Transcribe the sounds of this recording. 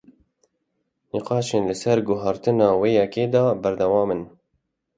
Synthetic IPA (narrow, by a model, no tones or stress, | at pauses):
niqɑːʃeːnlɨsɛɾɡʊɦɑɾt̪ɨnɑːweːjɛkeːd̪ɑːbæɾd̪ɛwɑːmɨn